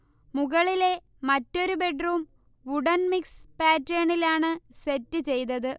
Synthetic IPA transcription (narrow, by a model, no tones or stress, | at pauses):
muɣɐɭile̞ | mɐtːo̞ɾube̞ɖruːm | uɽɐnmikspaːtɾeːɳilaːɳɨsetːɨt͡ɕe̞jt̪ɐðɨ